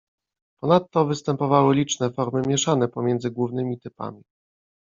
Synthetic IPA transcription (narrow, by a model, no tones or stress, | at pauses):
pɔnat̪ːɔvɘst̪ɛmpɔvawɘlʲit͡ʂnɛfɔɾmɘmʲjɛʂanɛpɔmʲjɛnd̪zɘɡwuvn̪ɘmʲit̪ɘpa̰mʲi